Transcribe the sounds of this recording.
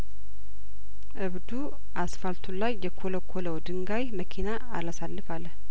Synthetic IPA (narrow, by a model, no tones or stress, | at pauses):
ʔɨβd̪u | ʔasfalt̪ʰulajːɛkʰoləkʰːoləwd̪ɨŋɡajməkʰinaːlasalːɨfalːəh